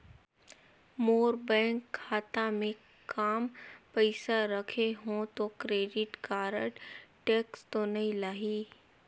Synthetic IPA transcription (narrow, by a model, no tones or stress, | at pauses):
moːɾbɛ̃ːŋkʰːaːt̪amẽ | kaːmpəɪsaɾəkʰeɦõt̪okɾeːɖɪʈkaːɾə̰ɽʈeːkst̪onɐɦĩlaːɦiː